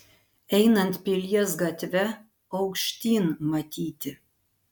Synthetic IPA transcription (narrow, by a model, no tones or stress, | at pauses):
ɛɪnɐnt̪pʲɪlʲiɛsɡɐt̪ʲʋʲɛ | ɐʊkʃʲt̪ʲiːnmɐt̪ʲiːt̪ʲɪ